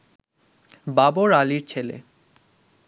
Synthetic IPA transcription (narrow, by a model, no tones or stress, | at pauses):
baboɾaliɾt͡ɕʰelḛ